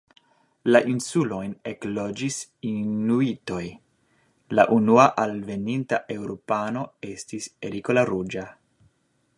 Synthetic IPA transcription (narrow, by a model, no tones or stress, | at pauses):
laʔinsulo̞jne̞klo̞d͡ʒisinuito̞j | la̰ʔunuaʔalve̞nintaʔe̞wɾo̞pano̞e̞stise̞ɾikolaɾud͡ʒa